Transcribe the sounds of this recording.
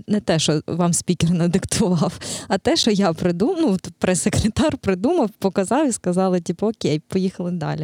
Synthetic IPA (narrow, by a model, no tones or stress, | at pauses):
nɛt̪ɛʃɔʋɑmsʲpʲikʲɪrnɐd̪ɪkt̪ʰʊʋɑwɐt̪ɛʃɔjapɾɪd̪umnuɔt̪pɾɛsekɾet̪ɑrpɾɪd̪umɐwpɔkɐzɑwiskɐzɑlˠɪtʲipɐɔkʲejpɔjixɐlˠɪd̪ɑ̰lʲi